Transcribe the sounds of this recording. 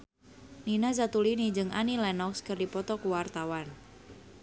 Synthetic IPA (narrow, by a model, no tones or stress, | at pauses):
ninaz̬at̪ulinid͡ʒɨŋa̰nilɛnɔkskərdipɔt̪ɔkuwart̪awan